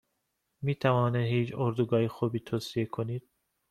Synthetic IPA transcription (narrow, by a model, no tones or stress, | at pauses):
miːt̪ʰævɒːneɦiːt͡ʃoɾd̪uɡɒːhexuːbiːt̪ʰosiekʰoniːd̪̥̚